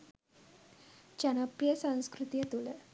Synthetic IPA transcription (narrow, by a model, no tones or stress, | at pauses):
t͡ɕanapjəsãñskɾut̪ijet̪ule